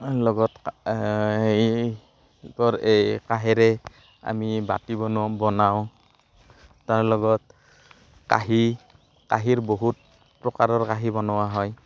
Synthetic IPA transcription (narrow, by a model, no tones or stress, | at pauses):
lɔɡɔt | tɔɹejkaɦɛɾɛ | a̰miba̰tibɔnbɔnaw̃ | taɹlɔɡɔt̚ | ka̰ɦi | kaɦiɹboɦut̚ | pɹɔkaɹɔɹkaɦibɔnɔwaɦɔj